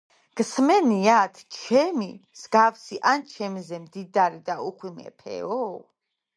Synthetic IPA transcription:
ɡ̥smɛniat̪ʰt͡ʃʰɛmiz̥ɡafsiʔant͡ʃʰɛmzɛmd̪id̪aɾid̪auχwimɛ̰pʰɛ̰ɔ

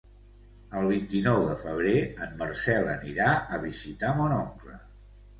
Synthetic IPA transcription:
əlˠβ̞int̪inɔwðəfəβ̞ɾeəmːərsɛlˠəniɾaəβizit̪amonɔŋklə̰

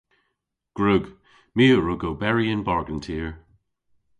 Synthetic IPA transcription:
ɡ̥ɹʉɡ | miːəɹuɡoːbɛɹiɪ̃nbaɹɡə̃ntʰiːɹ

